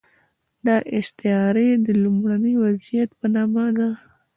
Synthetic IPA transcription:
d̪ɑʔɪst̪ɪɑɾed̪əlumɽanəjwazijat̪pənɑmad̪a

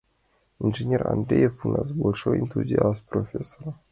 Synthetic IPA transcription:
inʐenʲera̰nd̪ɾʲejefunazbolʲʂoint̪uzʲiaspɾofʲesoɾa

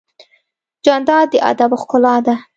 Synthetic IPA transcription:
d͡ʒɑnd̪ɑd̪əʔa̰d̪abʊxkʊlɑd̪a

